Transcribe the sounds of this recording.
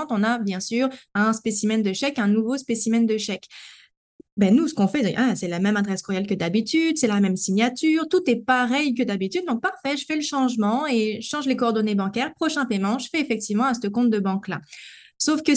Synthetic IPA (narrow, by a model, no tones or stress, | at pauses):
ɑ̃t̪ɔ̃nabjɛ̃syːʁɛ̃spesimɛnd̪əʃɛkɛ̃nuvospesimɛnd̪əʃɛk | bɛnusə̥kɔ̃fɛʔasɛlamɛmad̪ʁɛskuʁjalkəd̪abit̪yd̪sɛlamɛmsiɲat̪yʁt̪ut̪ɛpaʁɛjk̬əd̪abit̪yd̪d̪ːɔ̃k̚paʁfɛʒəfɛləʃɑ̃ʒmɑ̃eʒəʃɑ̃ʒlekɔɔʁd̪ɔnebɑ̃kʲɛʁpχɔʃɛ̃pemɑ̃ʒəfɛefɛk̚t̪ivmɑ̃ast̪əkɔ̃t̪̚d̪əbɑ̃kla̰ | sofkə